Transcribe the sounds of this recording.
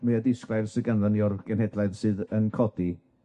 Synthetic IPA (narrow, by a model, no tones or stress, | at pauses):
mɨadɪsklˠajðsəɡənvaniɔrvɡ̥ɛnhɛdlˠaɨðsɨːðənkʰɔdi